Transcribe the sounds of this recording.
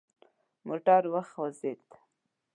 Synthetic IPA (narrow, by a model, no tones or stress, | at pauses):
moʈɑɾwaxwazet̪